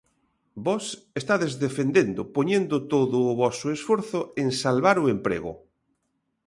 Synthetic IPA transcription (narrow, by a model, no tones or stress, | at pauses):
bɔsest̪aðezðefend̪end̪ʊpoɲẽnd̪ʊt̪oðʊːβɔsʊesfoɾθʊeŋsalβaɾʊempɾḛɣʊ̰